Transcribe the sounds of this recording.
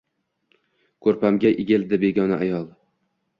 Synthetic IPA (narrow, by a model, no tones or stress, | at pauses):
kʰɵɾpamɡʲaʔɪɡʲɪld̪ɪbe̞ɡʲɒnaʔajɒlˠ